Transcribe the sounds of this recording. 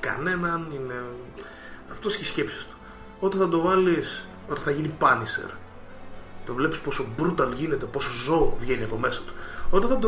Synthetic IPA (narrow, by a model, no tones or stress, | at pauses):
kɐ̰ne̞nɐnine̞ | ɐft̪oscisce̞psi̥st̪u̥ | o̞t̪eθɐd̪o̞vɐlis | o̞t̪eθɐʝinipɐnisḛɾ | t̪o̞vle̞pispo̞so̞bɾut̪ɐlʝine̞t̪epo̞so̞zo̞vʝeniɐpo̞me̞sɐt̪u̥ot̪ɐnθɐd̪o